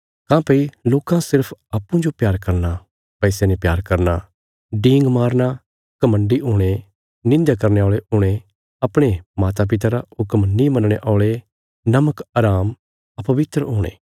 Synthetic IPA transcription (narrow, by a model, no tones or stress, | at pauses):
kãːpeiloːkãsɪɾpʰaːpːũd͡ʒopjaːɾkɐɾna | pɛːsenepjaːɾkɐɾna | ɖĩːŋɡmaːɾna | kɐmə̃ɳɖiɦʊːɽ̃e | nɪ̃nd̪akɐɾneɔːɭeʊːɽ̃e | ɐpɽ̃emaːt̪̬ap̬ɪt̪̬aɾaʊkəmnĩmɐnɽ̃eʔɔːɭe | nɐməkaɾaːm | ɐpɐʋɪt̪ɾəoːɽ̃ḛː